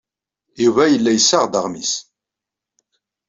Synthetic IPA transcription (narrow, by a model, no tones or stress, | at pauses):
juvæjəlːæjəsːaʁd̪əʁmis